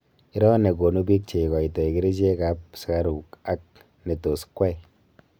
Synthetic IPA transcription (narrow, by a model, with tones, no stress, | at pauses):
i˦ɾɔ˦ne˨ɡo˨nu˦bi˦k̚t͡ʃe˨kɔ˨i˨tɔ˨i˨ki˦ɾi˦d͡ʒe˦ka˨˦p̚si˨ka˦ɾu˨ka˦k̚ | ne˨to˨skwɛ˦i˨